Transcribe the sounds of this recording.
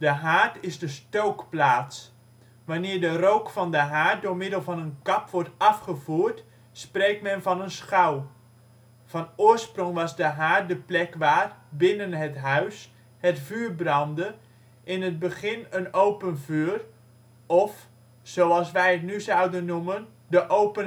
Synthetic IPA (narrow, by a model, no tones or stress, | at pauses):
dəɦaːɹtɪzdəstowkplaːts | ʋanɪːɹdərowkfɑndəɦaːt̚doːɹmɪdəlˠvɑnənkɑpʋɔɹtɑfχəvuːɹt | sprejk̚tmɛnvɑnənsχaw | vɑnoːɹsprɔŋʋɑzdəɦaːrdəplɛkʋaːrbɪnənɦətɦœɥs | hətfyːɹbrɑndə | ʔɪnət̚bəχɪnənowpənvyːr | ɔf | sowɑlˠsʋɛjɦətnyzʌwdənːumən | dəʔowpə